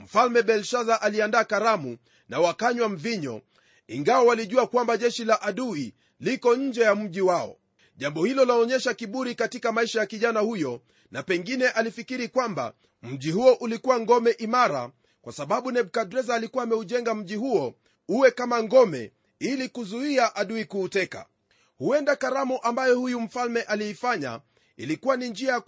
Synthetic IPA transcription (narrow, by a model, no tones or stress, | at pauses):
m̩falmɛɓɛlʃaðaʔaliandaːkaɾamu | nawakaɲwam̩viɲɔ̰ | iŋɡawawaliʄuakwambaʄɛʃilaʔaɗui | likɔɲ̩d͡ʒɛjam̩ʄiwaɔ̰ | ʄambɔhilɔlaɔɲɛʃakiɓuɾikatikamaiʃajakiʄanahujɔ | napɛŋɡinɛʔalifikiɾikwamba̰ | m̩ʄihuɔʔulikuwaŋɡɔmɛʔimaɾa̰ | kwasaɓaɓunɛɓukadɾɛzaːlikuwaːmɛuʄɛŋɡam̩ʄihuɔ | uwɛkamaŋɡɔmɛ̰ | ilikuzuiaʔaɗuikuːtɛka̰ | huɛndakaɾamuʔambajɔhujum̩falmɛʔaliifaɲa̰ | ḭlikuwanind͡ʒiaa